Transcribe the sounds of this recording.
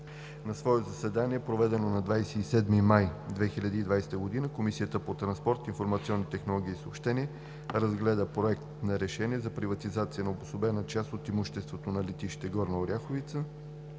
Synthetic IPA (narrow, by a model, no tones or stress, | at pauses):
nɐsvɔɛzɐsɛd̪aniɛpɾovɛd̪ɛnonɐd̪vajsɛisɛd̪mimajd̪vɛxilʲad̪iːd̪vajsɛ̥t̪əɡod̪inəkomisiət̪əpot̪ɾɐnspɔɾt̪infoɾmɐt̪siɔnːit̪ɛxnolˠɔɡ̟ʲiːsoːpʃt̪ɛniɛ | ɾɐzɡlɛd̪əpɾoɛkt̪nɐɾɛʃɛniɛzɐpɾivɐt̪izat̪siənɐobosobɛnət͡ʃast̪ot̪imuʃt̪ɛst̪vot̪onɐlɛt̪iʃi̥t̪ɛɡɔɾnɐoɾʲaxovit̪sə